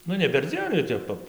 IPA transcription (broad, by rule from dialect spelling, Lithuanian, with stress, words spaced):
ˈnʊ nʲɛ pʲɛrʲˈd͡zʲiɛn jɛʊ ˈtʲɛp pɐp